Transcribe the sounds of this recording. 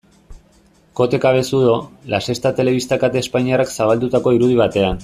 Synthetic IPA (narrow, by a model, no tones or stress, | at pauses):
ko̞t̪e̞kaβe̞suðolase̞st̪at̪e̞le̞β̞ist̪akat̪e̞ːspaɲiaraksaβald̪ut̪ako̞iɾuð̞iβ̞at̪e̞an